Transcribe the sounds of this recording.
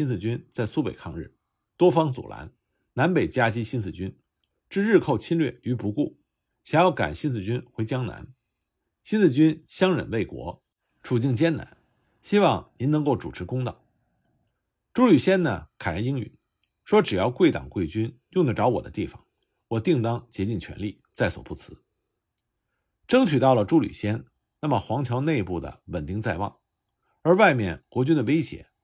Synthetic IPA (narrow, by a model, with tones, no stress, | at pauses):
i˥nt͡sɹ̩˥˩t͡ɕy˥nt͡sa˥˩ɪsu˥pe˨˩ɪkʰɑ˥˧ŋɻ̩˥˩ | t̪wɔ˥fɑ˥ŋt͡sṵ˨˩lʔa̰˧˥n | na˧˥npe˨˩ɪt͡ɕja˥t͡ɕi˥ɕi˥nt͡sɹ̩˥˩t͡ɕy˥n | ʈ͡ʂɻ̩˥˧ɻɻ̩˥˧xʰo˥˧ʊt͡ɕʰi˥nlɥɛ̰˥˩y˧˥pu˧˥ku˥˩ | ɕjɑ˨˩ŋjɑ˥˩ʊka̰˨˩nɕi˥nt͡sɹ̩˥˧t͡ɕy˥nxwe˧˥ɪt͡ɕjɑ˥ŋna̰˧˥n | ɕi˥nt͡sɹ̩˥˩t͡ɕy˥nɕjɑ˥ŋɻə̰˨˩nwe˥˩ɪkwɔ̰˧˥ | ʈ͡ʂʰu˨˩t͡ɕi˥˩ŋt͡ɕjɛ˥nna̰˧˥n | ɕi˥wɑ˥˧˩ŋni˧˥nɤ˧˥ŋko˥˩ʊʈ͡ʂu˨˩ʈ͡ʂʰɻ̩˧˥kʊ˥ŋt̪ɑ̰˨˩ | ʈ͡ʂu˥ly˨˩ɕjɛ˥nnə̰˨kʰa˨˩ɻə˧˥i˥ŋy̰˨˩˦n | ʂwɔ˥ʈ͡ʂɻ̩˨˩jɑ˥˧ʊkwe˥˩ɪt̪ɑ̰˨˩ŋkwe˥˩ɪt͡ɕy˥njʊ˥˩ŋd̪ə˩ʈ͡ʂɑ˧˥ʊwɔ˨˩d̪ə̰˦t̪i˥˩fɑ̰˨˩˦ŋ | wɔ˨˩t̪i˥˩ŋt̪ɑ˥ŋt͡ɕjɛ˧˥t͡ɕi˥˩nt͡ɕʰɥɛ̰˧˥nli˥˩ | t͡sa˥˩ɪswɔ̰˨˩pu˥˩t͡sʰɹ̩˧˥ | ʈ͡ʂɤ˥ŋt͡ɕʰy˨˩t̪ɑ˥˩ʊlə˩ʈ͡ʂu˥ly̰˨˩ɕjɛ˥n | na˥˩mə˩xwɑ˧˥ŋt͡ɕʰjɑ˧˥ʊne˥˧ɪpu˥˩d̪ə̰˩wə˨˩nt̪i˥˧ŋt͡sa˥˧ɪwɑ̰˥˩ŋ | ə˞˧˥wa˥˧ɪmjɛ̰˥˩nkwɔ˧˥t͡ɕy˥nd̪ə˨we˥ɪɕjɛ̰˧˥˦